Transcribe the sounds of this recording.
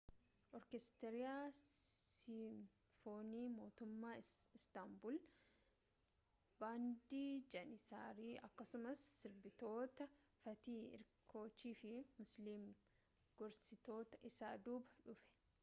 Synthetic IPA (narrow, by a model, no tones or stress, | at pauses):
ʔɔɾkɛst̪ɛɾɪjaːsɪm | foːniːmo̞ːt̪ʊmːaːɪst̪ɐmbʊl | baːnd̪iːd͡ʒɐnɪsaːɾiːɐkːɐsʊmɐsːɪɾbɪt̪o̞ːt̪ɐ | fɐt̪iːɪ̰ɾkʰo̞ːt͡ʃːiːfɪmʊsliːm | ɡ̥ɔɾsɪt̪o̞ːt̪ɐʔɪsaːd̪uːbɐᶑʊfɛ̥